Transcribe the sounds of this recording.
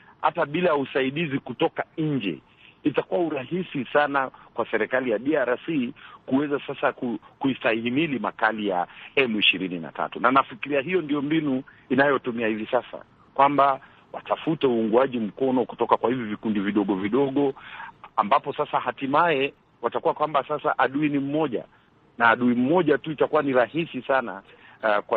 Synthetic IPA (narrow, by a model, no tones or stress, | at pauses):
ha̰taɓilaausaiɗizikutɔkaɲ̩d͡ʒɛ̰ | itakuwauɾahisisanakwasɛɾɛkalijaɗiaɾasikuwɛzasasakukuitahimilimakalija̰ɛmuiʃiɾinina̰ta̰tunanafikiɾiaɦijɔndijɔmbinu | inajɔtumiahivisasa̰ | kwamba | wa̰tafutɛuːŋɡuaʄim̩kɔnɔku̥tɔkakwahivɔvikundiviɗɔɠɔviɗɔɠɔambapɔsasahatimaɛ | watakuwakwambasasaʔaɗuinim̩mɔʄa̰ | naːɗuim̩mɔʄatuitakuwaniɾahisisana | kwa